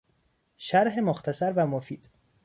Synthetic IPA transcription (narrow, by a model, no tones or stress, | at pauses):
ʃæɾɦemoxt̪ʰæsæɾvæmofiːd̪̥